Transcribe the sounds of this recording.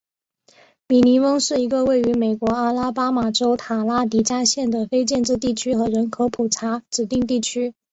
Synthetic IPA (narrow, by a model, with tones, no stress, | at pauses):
mi˨˩ni˧˥wɤ˥ŋʂɻ̩˥˩i˧˥ɡə˧we˥˩ɪy˧˥me˨˩ɪkwɔ˧˥a˥la˥pa˥ma˨˩ʈ͡ʂo˥ʊt̪ʰa˨˩la˥t̪i˧˥t͡ɕja˥ɕjɛ˥˩nd̪ə˩fe˥ɪt͡ɕjɛ˥˧nʈ͡ʂɻ̩˥˧t̪i˥˩t͡ɕʰy˥xɤ˧˥ɻə˧˥nkʰɤ˧˥pʰu˨˩ʈ͡ʂʰa˧˥ʈ͡ʂɻ̩˨˩t̪i˥˧ŋt̪̬i˥˩t͡ɕʰy˥